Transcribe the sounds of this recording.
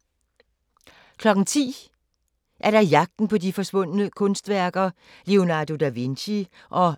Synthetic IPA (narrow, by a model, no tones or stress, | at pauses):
kʰlɒ̽ɡ̥n̩t͡sʰḭː | ʔæɐɾ̥ɑ̈jɑ̈ɡ̥̚d̥n̩pʰɒ̽d̥ifɒ̽sʋɔ̽n̰nəkʰɔ̽nsd̥ʋæɐɡ̥ɐ | le̝o̝nɑ̈ːdo̝d̥æʋinɕi | ʔɒ̽